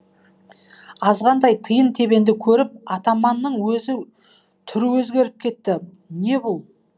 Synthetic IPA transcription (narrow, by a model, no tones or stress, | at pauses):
ɑzʁɑnd̪ɑjt̪ʰəjənt̪ʰe̞be̞nd̪ɪkʲʰɵɾɪp̚ɑt̪ɑmɑnːəɴwɵzɪ | t̪ʰʏɾɪwɵzɡʲe̞ɾɪp̚kʲʰe̞t̪ːɪ | ne̞bʊlˠ